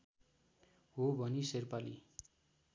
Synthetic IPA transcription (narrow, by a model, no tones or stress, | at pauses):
ɦobʱʌniserpali